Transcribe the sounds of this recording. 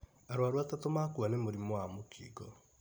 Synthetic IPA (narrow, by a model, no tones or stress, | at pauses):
aɾwaɾwatatomakuanemoɾimoamokʰḭɡɔ